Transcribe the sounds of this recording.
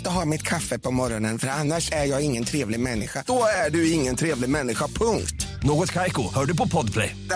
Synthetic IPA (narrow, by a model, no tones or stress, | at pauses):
t̪əɦɑːɾmɪt̪kʰafːəpʰɔmɔɾɔnənfœɾanːaʂæɾjɑːɡɪŋːənt̪ʰɾeːvlɪɡmɛnːɪɧad̪̥ɔæɖɵɪŋːənt̪ʰɾeːvlɪɡmɛnːɪɧapʰɵŋkt̪noːɡɔt̪kʰajkʊhœːɖɵpɔpʰɔd̪pʰlɛ̰jd̪